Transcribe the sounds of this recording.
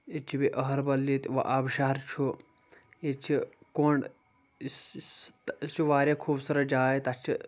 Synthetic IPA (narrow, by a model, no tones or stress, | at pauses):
et͡ʃʰibiʔɐɦɐɾbɐlːit̪ʋɐ̰ʔaːbʃaːɾt͡ʃʰu | et͡ʃʰikoːɳɖ | t͡ʃʰuʋaːɾʲjakʰuːbsɐɾɐd͡ʒaːet̪ɐt͡ʃʰi